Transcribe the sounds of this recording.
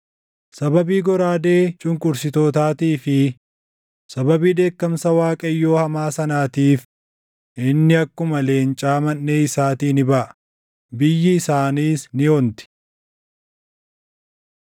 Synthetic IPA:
sɐbɐbiːɡɔɾaːd̪e̞ːt͡ʃʼʊŋkʼʊɾsɪt̪oːt̪aːt̪iːfɪ | sɐbɐbiːd̪e̞ːkːɐmsɐwaːkʼɐjːo̞ːhɐmaːsɐnaːt̪iːf | ʔɪnːɪɐkːʊmɐle̞ːnt͡ʃʼaːmɐnːeːɪsaːt̪iːnɪbɐʔɐ̥ | bɪjːɪɪsaːniːsnɪont̪ɪ̥

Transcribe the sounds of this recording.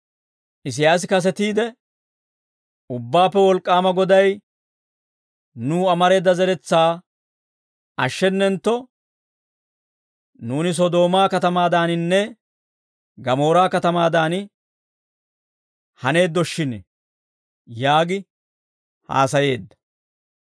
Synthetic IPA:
ʔɪs̬ɪjaːs̬ɪkɐs̬ɛt̪iːd̪ɛ | ʊbːaːpːɛwɔlkʼːaːmɐɡɔd̪ɐj | nuːɐmɐɾe̞ːd̪ːɐzɛɾɛt͡sːaː | ɐʃːɛnːɛnt̪ːɔ | nuːnɪs̬ɔd̪o̞ːmaːkɐt̪ɐmaːd̪aːnɪnːɛ | ɡɐmo̞ːɾaːkɐt̪ɐmaːd̪aːn | hɐne̞ːd̪ːɔʃːɪnɛ | jaːɡɪ | ha̰ːsɐje̞ːd̪ːɐ̥

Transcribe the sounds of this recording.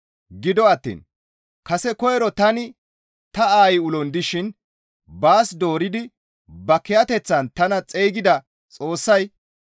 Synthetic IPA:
ɡɪd̪ɔɐt̪ːḭːn | kɐsɛkɔjɛɾɔt̪ɐnɪ | t̪ɐaːjɪʊlɔnd̪ɪʃɪn | baːsd̪o̞ːɾɪd̪ɪ | bɐkɛjɐt̪ɛt͡sːɐnt̪ɐnɐt͡sʼejɡɪd̪ɐ | t͡sʼo̞ːsːɐj

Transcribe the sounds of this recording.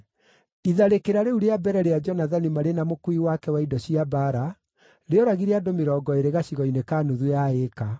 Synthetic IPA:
iðaɾekeɾaɾeuɾeabɛɾɛɾead͡ʒɔnaðanimaɾenamokuiwakɛwaidɔɕiabaɾa | ɾeɔɾaɣiɾeadomeɾɔːɡɔeɾeɣaɕiɣɔinekaːnuðujaeka

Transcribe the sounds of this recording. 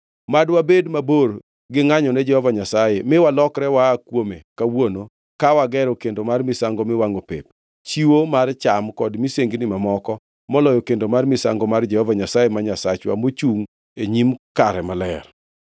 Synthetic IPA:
madwabedmabor | ɡɪŋaɲɔnɛd͡ʒɛhɔvaɲasajemɪwalɔkɾɛwaːkwomekawono | kawaɡɛɾokendomarmɪsaŋɡɔmɪwaŋopḛp̚ | t͡ʃiwomart͡ʃamkɔdmiseŋɡnɪmamɔkɔ | mɔlɔjɔkendomarmɪsa̰ŋɡɔmard͡ʒɛhɔvaɲasajemaɲasat͡ʃwa̰mot͡ʃuŋ | eɲimkaɾɛmalɛr

